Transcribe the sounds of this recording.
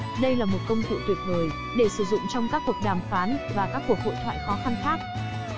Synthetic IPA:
ɗə˧jlaː˨˩mo˨˩t̚kə˧wŋ͡mt̪ʰṵ˧˩t̪wi˨˩ət̪̚ʰəː˨˩j | ɗe˧˩sɨ˧˩zʊ̰˧˨ŋ͡mt͡ɕɔ˧wŋ͡mkaː˦˥k̚ku˨˩ək̚ɗaː˨˩mfaː˨˦nvaː˨˩kaː˦˥kku˨˩ək̚ho̰˧˨jt̪ʰwa̰ː˧˨jxɔ˨˦xa˧nxaː˦˥k̚

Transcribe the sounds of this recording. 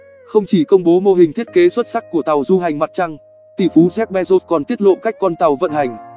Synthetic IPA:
xə˧wŋ͡mt͡ɕi˧˩kə˧wŋ͡mɓo˨˦mo˧ɦï˨˩ŋ̟t̪ʰi˦˥ət̚ke˨˦swə˦˥t̚sa˦˥k̚kːu˧˩ət̪a˨˩wzu˧ɦa˨˩jŋ̟ma˨˩t̚t͡ɕa˧ŋ | t̪i˧˩fu˨˦zɛ˦˥k̚ɓɛ˧zo˦˥t̚kɔ˨˩nt̪i˦˥ət̚lo̰˧˨ka˦˥jk̟̚kɔ˧nt̪a˨˩wvə̰˧˨nha˨˩jŋ̟

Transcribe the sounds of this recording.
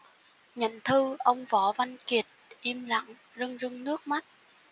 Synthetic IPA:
ɲə̰˧˨nt̪ʰɨ˧ʔə˧wŋ͡mvɔ˨˩˦va˧nki˨˩ət̚ʔi˧mla̰˧˨ŋ | zɨ˧ŋzɨ˧ŋnɨ˦˥ək̚ma˦˥t̚

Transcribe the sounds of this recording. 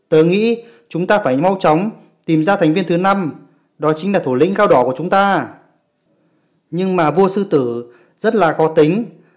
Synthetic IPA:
t̪əː˨˦jŋḭ˧˥ | t͡ɕʊ˨˦ŋ͡mt̪aː˧faː˧˩jma˧wt͡ɕɔ˨˦wŋ͡m | t̪i˨˩mzaː˧t̪ʰŋ̟vi˧ənt̪ɨ˨˦na˧m | ɗɔ˨˦t͡ɕi˨˦ŋlaː˨˩t̪ʰu˧˩lḭ̈˧˥ŋkaː˧wɗɔ˧˩ku˧˩ət͡ɕʊ˨˦ŋ͡mt̪aː˧ | ɲɨ˧ŋmaː˨˩vu˧əsɨ˧t̪ɨ˧˩ | zə˦˥t̚laː˨˩xɔ˨˦t̪ï˨˦ŋ̟

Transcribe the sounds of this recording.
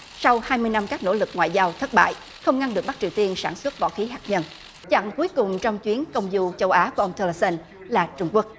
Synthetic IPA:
sa˧whaː˧jmɨ˧jna˧mkaː˦˥k̚no̰˧˥lɨ˨˩k̚ŋwa̰ː˧˨jzaː˧wt̪ʰə˦˥t̚ɓa̰ː˧˨j | xə˧wŋ͡mŋa˧nɗɨ˨˩k̚ɓk̚t͡ɕi˨˩əwt̪i˧ənsaː˧˩nswə˦˥t̚vɔ̰˧˥xi˨˦ɦaː˨˩k̚ɲə˧n | t͡ɕa̰˧˨ŋku˨˦jkʊ˨˩ŋ͡mt͡ɕɔ˧wŋ͡mt͡ɕwi˨˦ənkə˧wŋ͡mzu˧t͡ɕə˧wʔaː˨˦ku˧˩əʔə˧ŋ͡mt̪əː˧lə˧sə˧n | laː˨˩t͡ɕʊ˧ŋ͡mku˦˥ək̚

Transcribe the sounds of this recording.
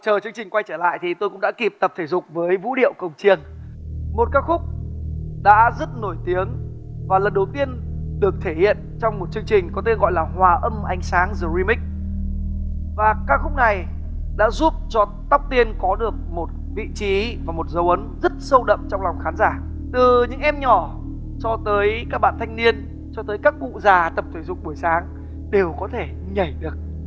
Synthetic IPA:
t͡ɕəː˨˩t͡ɕɨ˧əŋt͡ɕï˨˩ŋ̟kwa˧jt͡ɕəː˧˩la̰ː˧˨jt̪ʰi˨˩t̪o˧kʊ̰˧˥ŋ͡mɗa̰ː˧˥ki˨˩p̚t̪ə˨˩p̚t̪ʰi˧˩zʊ˨˩k͡p̚vəː˨˦jvṵ˧˥ɗḭ˧˨əwkə˨˩wŋ͡mt͡ɕi˧˩ənmo˨˩t̚kaː˦˥k̚xʊ˦˥k͡p̚ɗa̰ː˧˥zə˦˥t̚no˧˩jt̪i˨˦əŋvaː˨˩lə˨˩nɗə˨˩wt̪i˧ənɗɨ˨˩ək̚t̪ʰe˧˩hḭ˧˨ənt͡ɕɔ˧wŋ͡mmo˨˩t̚t͡ɕɨ˧əŋt͡ɕï˨˩ŋ̟kɔ˨˦t̪e˧nɣɔ̰˧˨jlaː˨˩hwaː˨˩ʔə˧mʔa˧jŋ̟saː˨˦ŋzɨ˨˩wi˧mï˦˥k̚ | vaː˨˩kaː˦˥k̚xʊ˦˥k͡p̚na˨˩j | ɗa̰ː˧˥zu˦˥p̚t͡ɕɔ˧ | t̪a˦˥wk͡p̚t̪i˧ənkɔ˨˦ɗɨ˨˩ək̚mo˨˩t̚ | vḭ˧˨t͡ɕi˨˦vaː˨˩mo˨˩t̚zə˨˦wʔə˨˦nzə˦˥t̚sə˧wɗə̰˧˨mt͡ɕɔ˧wŋ͡mlɔ˨˩wŋ͡mxaː˨˦nzaː˧˩ | t̪ɨ˨˩ɲɨ̰˧˥ŋʔɛ˧mɲɔ˧˩ | t͡ɕɔ˧t̪əː˨˦jkaː˦˥k̚ɓa̰ː˧˨nt̪ʰa˧jŋ̟ni˧ən | t͡ɕɔ˧t̪əː˨˦jkaː˦˥k̚vṵ˧˨zaː˨˩t̪ə˨˩p̚t̪ʰwe˧˩zʊ̰˧˨ŋ͡m̚ɓu˧˩əjsaː˨˦ŋ | ɗe˨˩wkɔ˨˦t̪ʰe˧˩ | ɲə˧˩jɗɨ˨˩ək̚

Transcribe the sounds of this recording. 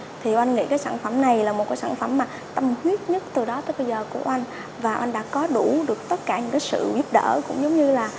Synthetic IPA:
t̪ʰi˨˩ʔa˧ŋ̟ŋḭ˧˥kaː˨˦jsaː˧˩nfə˧˩mna˨˩jlaː˨˩mo˨˩kaː˨˦saː˧˩nfə˧˩mːaː˨˩ | t̪ə˧mhwi˦˥ət̚ɲə˦˥t̚t̪ɨ˨˩ɗɔ˨˦t̪o˧jɓə˧jzəː˨˩ku˧˩əʔa˧jŋ̟ | vaː˨˩ʔa˧jŋ̟ɗa̰ː˧˥kɔ˨˦ɗu˧˩ɗɨ˨˩ək̚t̪ə˦˥t̚kaː˧˩ɲɨ̰˧˥ŋkaː˨˦jsɨ̰˧˨vi˦˥əp̚ɗə̰ː˧˩kʊ̰˧˥ŋ͡mzə˨˦wŋ͡mɲɨ˧laː˨˩

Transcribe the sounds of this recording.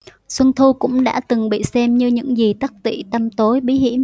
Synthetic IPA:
swə˧nt̪ʰu˧kʊ̰˧˥ŋ͡mɗa̰ː˧˥t̪ɨ˨˩ŋɓḭ˧˨sɛ˧mɲɨ˧ɲɨ̰˧˥ŋzi˨˩t̪a˦˥k̚t̪ḭ˧˩˨t̪a˧mt̪o˨˦jɓi˨˦hḭ˧˥əm

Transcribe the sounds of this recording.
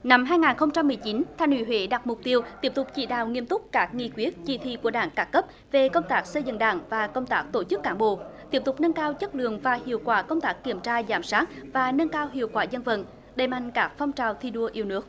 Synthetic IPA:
na˧mɦaː˧jŋaː˨˩nxə˧wŋ͡mt͡ɕa˧mːɨ˨˩əjt͡ɕi˨˦nt̪ʰaː˧jnhwḭ˧˩wḛ˧˨˦ɗa˨˩t̚mʊ˨˩k͡p̚t̪i˧əwt̪i˦˥əp̚t̪ʊ˨˩k͡p̚t͡ɕḭ˧˩ɗa̰ː˧˨wŋi˧əmt̪ʊ˦˥k͡p̚kaː˦˥k̚ŋḭ˧˨kwi˦ət̚t͡ɕḭ˧˩t̪ʰḭ˧˨ku˧˩əɗaː˧˩ŋkaː˦˥kːə˦˥p̚ | ve˨˩kə˧wŋ͡mt̪aː˦˥k̚sə˧jzɨ̰˧˨ŋɗa̰ː˧˩ŋvaː˨˩kə˧wŋ͡mt̪aː˦˥k̚t̪o˧˩t͡ɕɨ˦˥kːaː˧˩ŋɓo̰˧˨t̪i˦˥əp̚t̪ʊ˨˩k͡p̚nə˧nkaː˧wt͡ɕə˦˥t̚lɨ̰˧˨əŋvaː˨˩hḭ˧˨əwkwaː˨˦kə˧wŋ͡mt̪aː˦˥kːi˧˩əmt͡ɕaː˧zaː˧˩msaː˦˥t̚vaː˨˩nə˧nkaː˧wɦḭ˧˨əwkwaː˧˩zə˧nvə̰˧˨n | ɗə˨˩jma̰˧˨jŋ̟kaː˦˥k̚fɔ˧wŋ͡mt͡ɕaː˨˩wt̪ʰi˧ɗu˧əʔi˧əwnɨ˦˥ək̚

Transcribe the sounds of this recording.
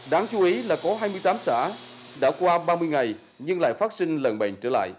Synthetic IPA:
ɗaː˨˦ŋt͡ɕu˨˦ʔi˨˦laː˨˩kɔ˨˦ɦaː˧jmɨ˧jt̪aː˨˦msa̰ː˧˩ | ɗa̰ː˧˥kwaː˧ɓaː˧mɨ˧əjŋa˨˩j | ɲɨ˧ŋla̰ː˧˨jfa˦˥t̚sï˧ŋ̟lə˨˩nɓə̰˧˨˩ŋt͡ɕə̰ː˧˩la̰ː˧˨jʔ

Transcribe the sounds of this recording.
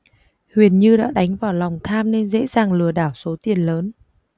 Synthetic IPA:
hwi˨˩ənɲɨ˧ɗa̰ː˧˥ɗa˨˦jŋ̟vaː˨˩wla˨˩wŋ͡mt̪ʰaː˧mne˧nzḛ˧˥zaː˨˩ŋlɨ˨˩əɗaː˧˩wso˨˦t̪i˨˩ənləː˨˦n

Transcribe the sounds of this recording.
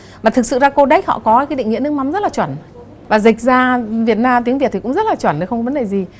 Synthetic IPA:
maː˨˩t̪ʰɨ˨˩k̚sɨ̰˧˨zaː˧ko˧ɗa˦˥k̟̚hɔ̰˧˨kɔ˨˦˧kaː˨˦jɗḭ˧˨ŋḭ˧˨nɨ˧˥˦ŋma˨˦mzə˦˥laː˨˩t͡ɕwə˧˩n | vaː˨˩zï˨˩k̟̚zaː˧vi˨˩ət̚naː˧mt̪i˨˦ŋi˨˩t̪̚ʰi˨˩kʊ̰˧˥ŋ͡mzə˦˥laː˨˩t͡ɕwə˧˩n˨˦xə˧ŋ͡mkɔ˧və˧˦nɗe˨˩jzi˨˩

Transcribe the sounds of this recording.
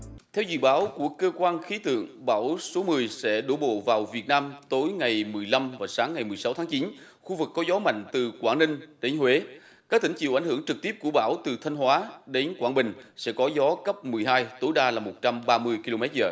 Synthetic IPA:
t̪ʰɛ˧wzɨ̰˧˨ɓaː˨˦wku˧˩əkːəː˧kwaː˧nxi˨˦t̪ɨ̰˧˨əŋɓa̰ː˧˩wso˨˦mɨ˨˩əjsɛ̰˧˥ɗo̰˧˥˩ɓo̰˧˨vaː˨˩wvi˨˩ət̚naː˧mt̪o˨˦jŋa˨˩jmɨ˨˩əjla˧mvaː˨˩saː˨˦ŋːa˨˩jmɨ˨˩əsa˨˦wt̪ʰaː˨˦ŋt͡ɕi˨˦n | xu˧vɨ˨˩kːɔ˨˦zɔ˨˦ma̰˧˨jŋ̟t̪ɨ˨˩kwaː˧˩nï˧ŋ̟ɗe˨˦nhwe˨˦ | kaː˦˥k̚t̪ï˧˩ŋ̟t͡ɕḭ˧˨ʔjŋhɨ˧˩əŋt͡ɕɨ˨˩k̚t̪i˦˥əp̚ku˧˩əɓa̰ː˧˩wt̪ɨ˨˩t̪ʰə˧jŋ̟hwaː˨˦ɗe˨˦nkwaː˧˩nɓï˨˩ŋ̟sɛ̰˧˥kɔ˨˦zɔ˨˦kə˦˥p̚mɨ˨˩əjɦaː˧jt̪o˨˦jɗaː˧laː˨˩mo˨˩t̚t͡ɕa˧mɓaː˧mɨ˧əjki˧lo˧mɛ˦˥t̚zəː˨˩

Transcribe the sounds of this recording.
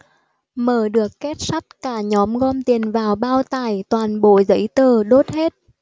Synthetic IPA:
məː˧˩ɗɨ˨˩əkːɛ˦˥t̚sa˦˥jk̚kaː˧˩ɲɔ˨˦mɣɔ˧mt̪i˨˩ənvaː˨˩wɓaː˧wt̪aː˧˩jt̪waː˨˩nɓo̰˧˨zə̰˧˥jt̪əː˨˩ɗo˦˥t̚he˦˥t̚

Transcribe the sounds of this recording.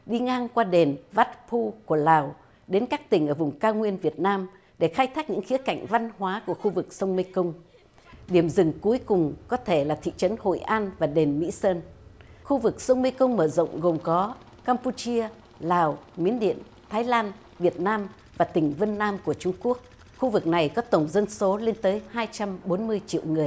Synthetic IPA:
ɗi˧ŋaː˧ŋkwaː˧ɗe˨˩nva˦˥t̚pʰu˧ku˧˩əlaː˨˩w | ɗe˨˦nkaː˦˥k̚t̪ï˨˩ŋ̟ʔəː˧˩vʊ˨˩ŋ͡mkaː˧wŋwi˧ənvi˨˩ət̚naː˧m | ɗe˧˩xaː˧jt̪ʰaː˦˥k̚ɲɨ̰˧˥ŋxi˨˦əka̰˧˨jŋ̟va˧nɦwaː˨˦ku˧˩əxu˧vɨ˨˩k̚sə˧wŋ͡mmə˧jkə˧wŋ͡m | ɗi˧˩əmzɨ˨˩ŋku˨˦jkʊ˨˩ŋ͡mkɔ˨˦t̪ʰe˧˩laː˨˩t̪ʰḭ˧˨t͡ɕə˨˦nho̰˧˨jʔaː˧nvaː˨˩ɗe˨˩nmḭ˧˥səː˧nxu˧vɨ˨˩k̚sə˧wŋ͡mmi˧kə˧wŋ͡mməː˧˩zə̰˧˨wŋ͡mɣo˨˩ŋ͡mkɔ˨˦ | kaː˧mpu˧t͡ɕi˧ə | laː˨˩wmi˨˦ənɗḭ˧˨ən | t̪ʰaː˨˦jlaː˧n | vi˨˩ət̚naː˧m | vaː˨˩t̪ï˨˩ŋ̟və˧nːaː˧mku˧˩ət͡ɕʊ˧ŋ͡mku˦˥ək̚ | xu˧vɨ˨˩k̚na˨˩jkɔ˨˦t̪ə˧˩wŋ͡mzə˧nso˨˦le˧nt̪əː˨˦jhaː˧jt͡ɕa˧mɓo˨˦nmɨ˧əjt͡ɕḭ˧˨əwŋɨ˨˩əj

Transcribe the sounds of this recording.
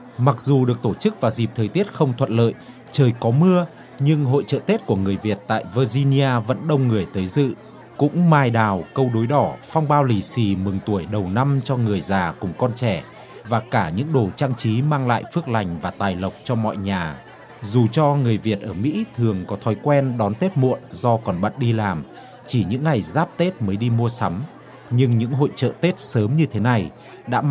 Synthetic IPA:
ma˨˩k̚zu˨˩ɗɨ˨˩ək̚t̪o˧˩t͡ɕɨ˦˥k̚vaː˨˩zi˨˩p̚t̪ʰəː˨˩jt̪i˦˥ət̚xə˧wŋ͡mt̪ʰwə̰˧˨n̚lə̰ː˧˨j | t͡ɕəː˨˩jkɔ˨˦mɨ˧ə | ɲɨ˧ŋɦo̰˧˨jt͡ɕə̰ː˧˨t̪e˦˥t̚ku˧˩əŋɨ˨˩əjvi˨˩ət̚t̪a̰ː˧˨jvəː˧zi˧ni˧ʔaː˧və̰˧˥nɗə˧wŋ͡mŋɨ˨˩əjt̪əː˨˦jzɨ̰˧˨ | kʊ̰˧˥ŋ͡mmaː˧jɗaː˨˩wkə˧wɗo˨˦jɗɔ˧˩fwŋ͡mɓaː˧wli˨˩si˧˩mɨ˨˩ŋt̪u˧˩əjɗə˨˩wna˧mt͡ɕɔ˧ŋɨ˨˩əjzaː˨˩kʊ˧˩ŋ͡mkɔ˧nt͡ɕɛ˧˩ | vaː˨˩kaː˧˩ɲɨ̰˧˥ŋɗo˧˩t͡ɕaː˧ŋt͡ɕi˨˦maː˧ŋla̰ː˧˨jfɨ˦˥ək̚la˨˩jŋ̟vaː˨˩t̪aː˨˩jlə˨˩wk͡p̚t͡ɕɔ˧mɔ̰˧˨jɲaː˨˩ | zu˨˩t͡ɕɔ˧ŋɨ˨˩əjvi˨˩ət̚ʔəː˧˩mḭ˧˥t̪ʰɨ˨˩əŋkɔ˨˦t̪ʰɔ˨˦jkwɛ˧nɗɔ˨˦nt̪e˦˥t̚mṵ˧˨ənzɔ˧kɔ˨˩nɓə̰˧˨t̚ɗi˧laː˨˩m | t͡ɕi˧˩ɲɨ̰˧˥ŋːa˨˩jzaː˦˥p̚t̪e˦˥t̚məː˨˦jɗi˧mu˧əsa˨˦m | ɲɨ˧ŋɲɨ̰˧˥ŋɦo̰˧˨jt͡ɕə̰ː˧˨t̪e˦˥t̚səː˨˦mɲɨ˧t̪ʰe˨˦na˨˩j | ɗa̰ː˧˥

